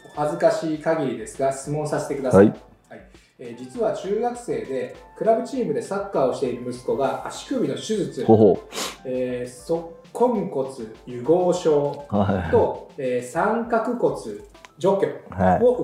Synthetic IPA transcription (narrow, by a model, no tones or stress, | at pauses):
hazɨkaɕiːkaɡʲiɾʲid̪e̞sɨɡasemõ̞ɰ̃saset̪e̞kɯ̟d̪a | hai | eːd͡ʑit͡sɨβat͡ɕɨːɡakɯ̟̥se̞ːd̪e̞kɯ̟ɾabɯ̟t͡ɕiːmɯ̟d̪e̞sakːaːo̞ɕi̥t̪e̞iɾɯ̟mɯ̟sɨ̥ko̞ɡaaɕi̥kɯ̟bʲino̞ɕɨzɨt͡sɨ | eːso̞kʰõ̞ŋko̞t͡sɨjɯ̟ɡo̞ːɕo̞ːt̪o̞eːsãŋkakɯ̟ko̞t͡sɨd͡ʑo̞kʲõo